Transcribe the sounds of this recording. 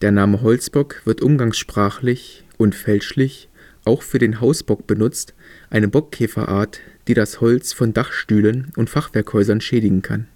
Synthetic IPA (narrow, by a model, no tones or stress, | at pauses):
d̥eːɐnaːməɦɔlt͡sb̥ɔkv̥ɪɐtʔʊmɡaŋsʃpʁ̥aːχlɪç | ʔʊntfɛlʃlɪç | ʔaʊxfyːɐdeːnɦaʊsb̥ɔk̚b̥ənʊt͡st | ʔaɪnəbɔkʰːɛːfɐ̰ʔa̰ːɐtd̥iːɾashɔlt͡sfɔndaχʃtyːlənʔʊntfaχv̥ɛɐkhɔʏzɐnʃɛːdɪɡŋ̩kʰan